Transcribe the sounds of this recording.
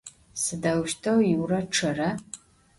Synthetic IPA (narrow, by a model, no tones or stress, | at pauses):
sɨdɐwʃtʰɐwjiwrɐʈ͡ʂʰɨrɐ